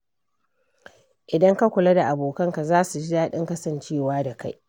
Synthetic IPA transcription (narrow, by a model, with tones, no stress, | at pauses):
ʔɪ˨dɐ˦ŋka˦kʷʊ˨lɐ˦da˨ʔa˨boː˨kɐ˦ŋka˨zaː˦su˨d͡ʒɪ˦daː˦ɗɪ˦ŋkɐ˦sɐ˨nt͡ʃeː˦˨waː˦da˨ka˦j